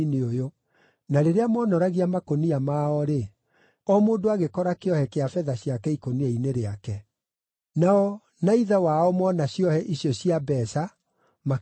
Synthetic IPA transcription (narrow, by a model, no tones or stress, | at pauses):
neojo | naɾeɾeamɔnɔɾaɣiamakoniamaɔɾe | ɔmoːndoaɣekɔɾakeɔhɛkeafɛðaɕjakɛikonieineɾeakɛ | naɔ | naiðawaɔmɔnaɕjɔhɛʔiɕjɔɕiabɛsa | ma